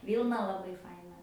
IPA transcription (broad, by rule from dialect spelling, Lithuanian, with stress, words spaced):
ˈʋʲiːlˠnɐ lˠɐˈbɐɪ ˈfɐɪnɐ